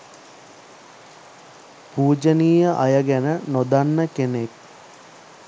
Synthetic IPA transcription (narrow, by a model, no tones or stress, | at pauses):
puːd͡ʒəniːjəʔajəɡænənod̪anːəkenek̚